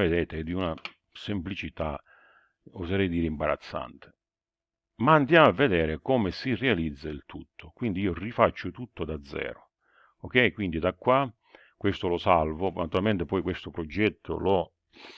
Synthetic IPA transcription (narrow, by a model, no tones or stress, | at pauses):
ed̪ɛːt̪ɪd̪iuna | semplit͡ʃit̪a | ozeɾɛjd̪iːɾɪimbaɾa̰t̪sːa̰nt̪ʰɪ̥ | maːnd̪jaːmavːed̪ɛːɾɪkɔmɪsirealid̪zːailt̪ʰut̪ʰːokwind̪iiːorifat͡ʃːʊt̪ut̪ːʊd̪ad̪zːɛ̰ːɾʊ | ok̟ːɛjkwind̪id̪akːwa | kːwest̪ʊlʊsalvʊnat̪uɾalmɛnt̪ɪpɔjkwest̪ʊpɾɔd͡ʒɛt̪ʰːʊ̰lɔ